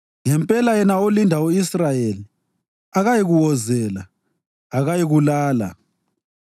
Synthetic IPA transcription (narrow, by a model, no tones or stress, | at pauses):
ŋɛmpʼɛlajɛnaolindʱauisrajeli | aɣajiɣuwɔzɛlaː | ɣajiɣulaːla̰